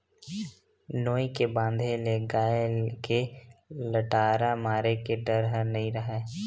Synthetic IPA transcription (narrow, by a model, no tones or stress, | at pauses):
noːikebãːnd̪ʱeleːɡaːelkeləʈaːɾamaːɾekeɖəɾɦənəɦĩɾəɦeː